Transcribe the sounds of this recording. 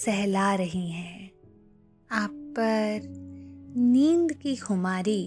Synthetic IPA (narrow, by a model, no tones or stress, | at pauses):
sɛɦlaɾɐɦiɦɛ̃ː | aːpːɐɾ | nĩːnd̪kixʊmaːɾi